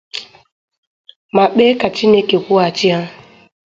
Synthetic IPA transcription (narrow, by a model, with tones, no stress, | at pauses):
ma˨ɓe˦ka˨t͡ʃi˦ne˦ke˨kʷu˦a˨t͡ʃi˦a˦